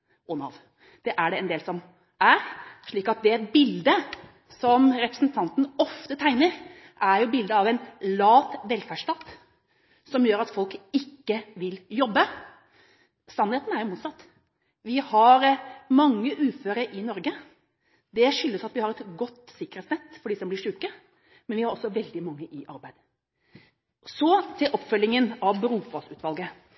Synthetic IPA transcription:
ɔnɑ̰ʋ | d̪̥ɛʔæɖɛɛnd̪eːlsɔm | æɾʂɭiːkɑt̪̚d̪ɛbɪld̪ə | sɔmɾɛpɾəsnt̪ʰɑnt̪n̩ɔft̪ət̪ʰæɪnəɾ | ʔæɾjʊbɪld̪əɑʋɛɪnlɑːt̪ʋɛlfæʂʈɑt̪ | sɔmjøːɾɑt̪fɔlkɪkːəʋɪljɔbːə | sɑnheːt̪n̩æɾjʊmuːt̪sɑt̪ː | ʋɪhɑɾmɑŋːəʔʉːføːɾəʔɪnɔɾɡə | d̪ɛʂʏlːəsɑt̪ʋɪhɑɾɛt̪ɡɔt̪ːsɪkːəɾɛt̪snɛt̪ːfɔɖɪsɔmblɪʂʉːkə | mɛnʋɪhɑɾɔsːɔʋɛld̪ɪmɑŋːəʔɪʔɑɾbæɪd̪ | sɔt̪ʰɪlʔɔpfœlːɪŋənɑʋbɾuːfɔsʉːt̪ʋɑlɡə

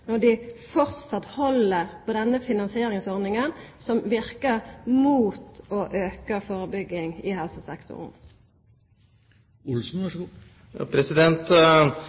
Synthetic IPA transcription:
nɔʁd̪ɪfɔʁt̪sɑt̪hɔləʁpʰoːd̪ɛnːəfɪnɑnsɪeːɾɪŋsɔʁnɪŋənsɔmʋɪʁkəʁmuːt̪oːʔøːkəfoːʁəbʏɡːɪŋɪhɛlsəsɛkt̪ʰʊ̰ʁn̩ | ʊlsn̩ | pʰɾɛsɪd̪ɛnt̪

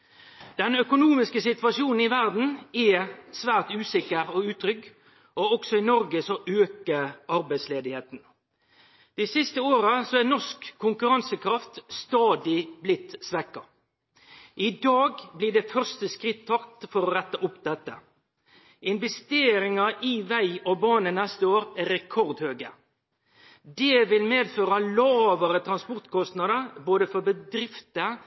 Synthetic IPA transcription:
d̪̥ɛnœkʊnuːmɪskəsɪt̪ʋɑʂuːnn̩ɪʋæʁd̪n̩ɛsʋæːʁt̪ʉːsɪkːəɾɔʉːt̪ʰɾʏɡ | ɔɔksɔɪnɔɾɡəsɔʔøːkəɑɾbæɪsleːd̪ɪheːt̪n̩ | d̪̥isɪst̪əoːɾəsɔænɔskʰːʊŋkʉʁɑnsəkʰɾɑft̪st̪ɑːd̪ɪblɪt̪ːsʋɛkɑ | ʔɪd̪ɑːɡbliːɖɛfœʁst̪əskʁɪt̪ʰːɑkt̪fɔɾɔʁɛt̪ːəʔʊpd̪ɛt̪ːə̰ | ɪnʋɛst̪eːɾɪŋɑʔɪʋæɪɔbɑːnənɛst̪əoːɾæɾɛkʰɔʁd̪høːɡə | d̪eːʋɪlmeːd̪føːʁɑlɑːʋəɾət̪ʰɾɑnspɔʁt̪kʰɔst̪nɑd̪əʁboːd̪əfɔbəd̪ɾɪft̪ə

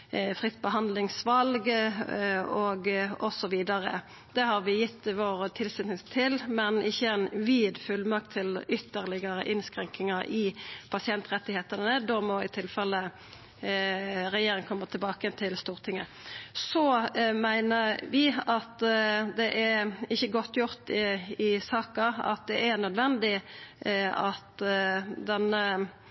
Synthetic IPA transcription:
fʁɪt̪ːbəɦɑnd̪lɪŋsʋɑlɡ | ɔɡɔsɔʋiːd̪ɑʁə̰ | d̪̥ɛɦɑʁʋɪjɪt̪ːʋoːʁət̪ʰɪlsɪt̪nɪst̪ʰɪlmɛnɪçːəɛnʋiːd̪fʉlmɑk̚t̪ʰːɪlʏt̪ːəʁlɪɡəɾə̰ʔɪnskɾɛŋkɪŋəʔɪpʰɑsɪɛnt̪ʁɛt̪ːɪheːt̪ənəd̪omɔɪt̪ʰɪlfɛlːə | ɾɛjeːɾɪŋkʰɔmːət̪ʰɪlbɑːkət̪ʰɪlst̪uːʁt̪ʰɪŋːəsɔmæɪnəʋɪɑt̪d̪ɛʔæɪçːəɡɔt̪ːjʊʁt̪ɪɪsɑːkɑɑ̰t̪̚d̪ɛʔæʁnœd̪ʋɛnd̪ɪ | ɑt̪ | d̪ɛnə

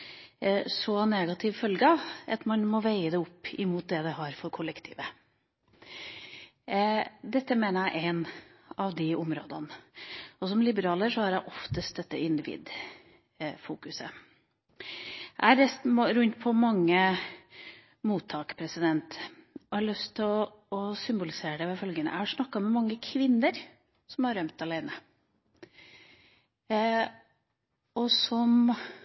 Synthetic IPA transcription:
sɔneːɡɑt̪ʰɪʋfœlɡəɑʋɑt̪mɑnmɔʋæɪəd̪ɛʊpːɪmuːt̪̚d̪ɛd̪ɛɦɑɾfɔɾkʰʊləkt̪ʰḭːʋə | d̪ɛt̪ːəmeːnəɾæɪʔæɪnɑʋd̪ɪʊmɾo̰ːd̪ɑn | ɔsɔmlɪbəɾɑːləʂɔhɑɾæɪʔɔft̪əst̪̚d̪ɛt̪ːəɪnd̪ɪʋḭːd̪ | fuːkʉsə̰ | ʔæ̰ɪhɑɾɛst̪ɾʉnt̪pʰɔmɑŋːə | muːt̪ʰːɑːkpʰɾɛsɪd̪ɛnt̪ɔhɑɭœst̪ʰːɪlɔ | ɔsʏmbʊlɪseːɾəɖɛʋɛfœlɡənə̰æ̰hɑʂnɑkːɑmɛmɑŋːəkʰʋɪnːəɾ | sɔmhɑɾœmt̪ɑlæɪnə | ɔsɔm

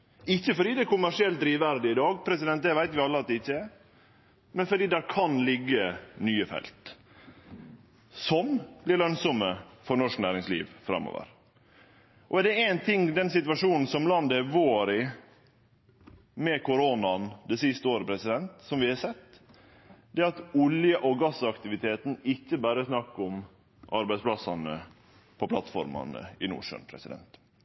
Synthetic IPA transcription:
ɪçːəfɔɖiːd̪ɛɛɾkʊmːæʂɪɛlt̪̚d̪ɾiːʋæɾd̪ɪɪd̪ɑːɡpʰɾɛsɪd̪ɛnt̪̚d̪ɛʋæɪt̪ʋɪɑlːəɑt̪̚d̪ɛɪçːəɛ | mɛnfɔɖiːd̪æːɾkʰɑnlɪɡːənyːəfɛ̰lt̪ | sɔmb̥lɪɾɭœnsɔməfɔɾnɔʂknæːɾɪŋslḭːʋfɾɑ̰mːo̰ːʋə̰ɾ | ʔɔæɖɛæɪnt̪ʰɪŋːd̪ɛnsɪt̪ʋɑʂuːnn̩sɔmlɑnd̪əʋoːɾɪ | mɛkʰʊɾoːnɑnd̪ɛsɪst̪əoːɾəpʰɾɛsɪd̪ɛnt̪sɔmʋɪhɑsɛt̪ː | d̪ɛːɑt̪ʊljəʔɔɡɑsɑkt̪ɪʋɪt̪ʰeːt̪n̩ɪçːəbæːɾəsnɑkːʊm | ʔɑɾbæɪspʰlɑsɑnə | pʰɔpʰlɑt̪fɔ̰ɾmɑ̰nə̰ɪnṵːʂœ̰npʰɾɛ̰sɪd̪ɛ̰nt̪

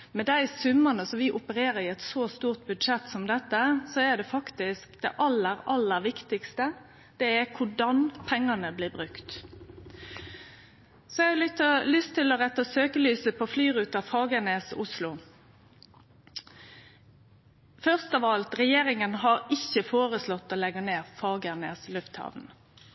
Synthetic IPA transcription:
mɛd̪æɪsʉmːənəsɔmʋɪʔʊpəɾeːɾəɾɪɛt̪sɔst̪uːʁt̪̚bʉd̪ʂɛt̪ːsɔmd̪ɛt̪ːəsɔæd̪ɛfɑkt̪ɪskd̪̥ɛ̰ʔɑlːəɾɑlːəʋɪkt̪ɪkst̪ə | d̪̥ɛækʰʊɖɑnpʰɛŋːɑnəblɪːʁbʁʉkt̪ | sɔjɛɑlʏt̪əlʏst̪ʰːɪlɔɾɛt̪ːəɔsøːkəlyːsəpʰoflyːɾʉːt̪ɑʋfɑːɡəneːsʊslʊ | fœʁst̪ɑʋɑlt̪ɾɛjeːɾɪŋənɦɑɾɪçːəfoːɾəslɔt̪ːɔlɛɡːəneːʁfɑːɡənḛːslʉft̪hɑ̰ʋn

